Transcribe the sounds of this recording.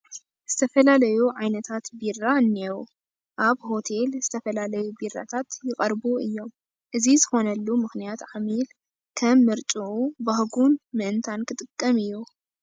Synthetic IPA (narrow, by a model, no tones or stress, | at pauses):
z̥ɨt̪ʰɐfɐlalɐjuʕajnɐt̪ʰat̪birːaɨnːeɾu | ʔaβho̞t̪ʰe̞lzɨt̪ʰɐfɐlalɐjubirːa̰t̪ʰat̪jɪkʼɐɾbuɨjːo̞m | ʔɨzizɨxo̞nɐlːumɨxnijat̪ʕamil | kʰɐmːɨɾt͡ʃʼuʔubahɡunmɨʔɨnt̪ʰankʰɨt̪ʼɨkʼːɐmɨjːu